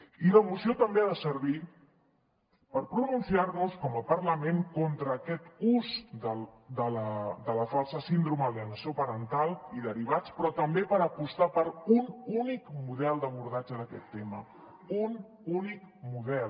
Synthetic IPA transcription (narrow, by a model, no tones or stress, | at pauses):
iləmusiot̪əmbeaðəsəɾβ̞i | pəɾpɾununsiarnuskɔməpərləmeŋkont̪ɾəːkɛt̪uzd̪əld̪ələd̪ələfalˠsəsind̪ɾuməliənəsjopəɾənt̪alˠiðəɾiβ̞at͡spɾɔt̪əmbepəɾəpust̪apəɾununikmuðɛlˠd̪əβ̞uɾðad͡ʒəðəkɛt̪ːemə | un | unik | muðɛl